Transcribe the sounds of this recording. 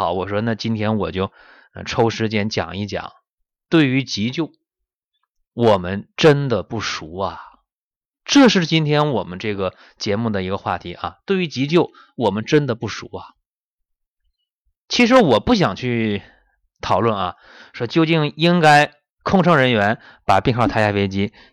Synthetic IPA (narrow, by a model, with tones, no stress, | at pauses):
ɑ˨˧˥ʊwɔ˨˩ʂwɔ˥na˥˩t͡ɕi˥nt̪ʰjɛ˥nwɔ˨˩t͡ɕjo˥˩ʊ̰˧ | ʈ͡ʂʰo˥ʊʂɻ̩˧˥t͡ɕjɛ˥nt͡ɕjɑ̰˨˩ŋi˥˩t͡ɕjɑ̰˨˩˦ŋ | t̪we˥˩ɪy˧˥t͡ɕi˧˥t͡ɕjo˥˩ʊ | wɔ˨˩mə˦nʈ͡ʂə˥nd̪ə˨pu˥˩ʂu˧˥ɐ˨ | ʈ͡ʂɤ˥˧ʂɻ̩˥˩t͡ɕi˥nt̪ʰjɛ˥nwɔ˨˩mə˦nʈ͡ʂɤ˥˩ɡə˩ | t͡ɕjɛ˧˥mu˥˩d̪ə˩i˧˥ɡə˧xwa˥˩t̪ʰi˧˥ʔɐ̰˧t̪we˥˩ɪy˧˥t͡ɕi˧˥t͡ɕjo˥˩ʊ | wɔ˨˩mə˦nʈ͡ʂə˥nd̪ə˨pu˥˩ʂṵ˧˥ɐ˧ | t͡ɕʰi˧˥ʂ̬ɻ̩˧˥wɔ˨˩pu˥˩ɕ̬jɑ˨˩ŋt͡ɕʰy˥˩ | t̪ʰɑ˨˩ʊlwə˥˩nɐ˩ | ʂwɔ˥t͡ɕjo˥˧ʊt͡ɕi˥˩ŋi˥ŋka˥ɪ | kʰʊ˥˧ŋʈ͡ʂʰɤ˧˥ŋɻə˧˥nɥɛ˧˥n | pa˨˩pi˥˧ŋxɑ˥˩t̪ʰa˥t͡ɕja˥fe˥ɪt͡ɕi˥